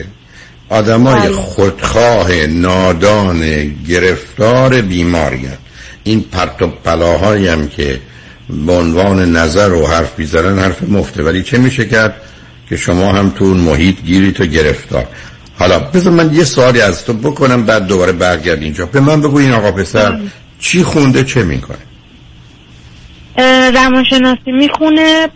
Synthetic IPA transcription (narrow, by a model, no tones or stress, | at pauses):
ʔɒːd̪æmɒːjexod̪̥xɒːɦe̞nɒːd̪ɒːneɟe̞ɾe̞ft̪ɒːɾe̞biːmɒ̰ːɾ̰jæ̰ɾd̪̥ | ʔinpʰæɾt̪ʰob̚pːælɒːɦɒːjæmcʰḛ | beonvɑːne̞næzæɾohæɾfbiːzænænd̪hæɾfemoft̪ʰevæliːt͡ʃʰe̞miːʃecæɾd̪̥̚ | cʲʰe̞ʃomɒːhæmt̪ʰunmoɦiːt̪ʰɟiːɾiːt̪ʰoɟe̞ɾeft̪ʰɒ̰ːɾ | hɒːlɒːbe̞zɒːɾmænjesoɒːliːæzt̪ʰobo̞kʰo̞næmbæːd̪ːobɒːɾebæɾɟæɾd̪ind͡ʒɒːbe̞mænbe̞ɡuːinɒːɣɒːpe̞sæɾ | t͡ʃʰiːxund̪et͡ʃʰe̞mḭkʰo̰ne | ɾæmɒnʃe̞nɒːsimiːxune